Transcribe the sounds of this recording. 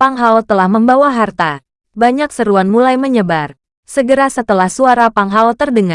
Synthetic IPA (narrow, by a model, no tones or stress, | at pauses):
paŋɦalt̪əlahməmbawaɦart̪a | baɲaksəɾuanmulajməɲəbar | səɡəɾasət̪əlahsuaɾapaŋɦalt̪ərdəŋa